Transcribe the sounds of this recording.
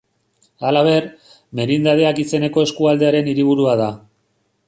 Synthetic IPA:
alaβ̞e̞r | me̞ɾind̪aðe̞akise̞ne̞ko̞e̞skuald̪e̞aɾe̞niɾiβ̞uɾuað̞a

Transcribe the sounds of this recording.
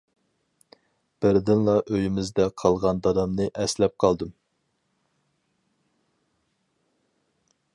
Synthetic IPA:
b̥ɪɾd̪ɪnlˠɑʔøjimɪzd̪ɛqʰɑlˠʁɑnd̪ɑd̪ɑmnɨʔɛslɛp̚qʰɑlˠd̪ɨm

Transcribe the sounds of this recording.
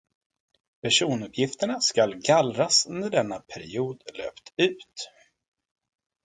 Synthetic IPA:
pʰæʂuːnɵpʰjɪft̪əɳaskalɡalɾasnæɖɛnːapʰæɾɪ̰uːd̪lø̰ːpt̪ʉ̟ːt̪

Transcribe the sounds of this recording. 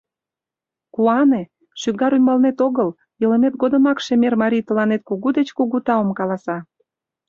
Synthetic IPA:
kuɑne | ʃyɡɑɾymɑlnet̪oɣəl | jəlemet̪ɡod̪ə̆mɑkʃemermɑɾʲijt̪ə̆lɑnet̪̚kuɣud̪et͡ɕkuɣut̪ɑomkɑlɑsɑ

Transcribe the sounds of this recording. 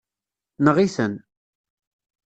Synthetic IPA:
nəʁiθən

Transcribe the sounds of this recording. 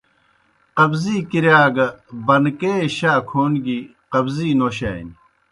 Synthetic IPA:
qɐbziːkiɾjaːɡɐbɐnkeːɕaːkʰoːnɡi | qɐbziːnoːɕḛːn

